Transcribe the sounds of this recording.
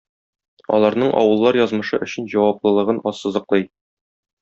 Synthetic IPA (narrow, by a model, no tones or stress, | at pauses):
ɒ̰lˠɑɾnɤɴʔɒ̰wɤ̆lˠːɑɾjɒzmɤ̆ʃɤʔɵ̆ɕɘnʑɒwɑplˠɤ̆lˠɤ̆ʁɤnɒsːɤ̆zɤ̆qlˠɤj